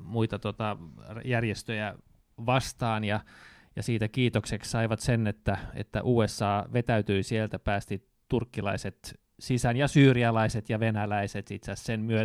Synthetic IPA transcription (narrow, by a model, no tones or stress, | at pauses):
muit̪ɑt̪ot̪ɑrjærjest̪øjæ | ʋɑst̪ɑːnjɑ | jɑsiːt̪ækiːt̪oksekssɑiʋɑt̪senet̪ːæḛt̪ːæ̰ʔuːesːɑːʋet̪æyt̪yisielt̪æpæːst̪it | t̪urkːilɑiset̪ | sisænjɑsyːriɑlɑiset̪jɑʋenælæiset̪it̪sæssenmyø